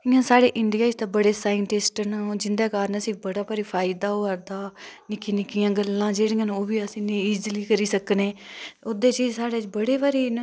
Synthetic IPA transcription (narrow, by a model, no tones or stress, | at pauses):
ɪãːsaːɽeːʔɪnɖ̪ɪjaːd͡ʒt̪aːbəɽeːsaːɪɳʈɪsʈənad͡ʒɪnd̪eːkaːɾnəsĩːbəɽaːpəɾiːpʰaːɪd̪aːoːəɾd̪aːnɪkiːnɪkiːjãːɡəlːãːd͡ʒeːɽĩːãːnoːbiːəsĩːniːiːd͡ʒliːkəɾiːsəkneːod̪eːt͡ʃiːd͡ʒsaːɽeːd͡ʒbəɽeːpaɾeːn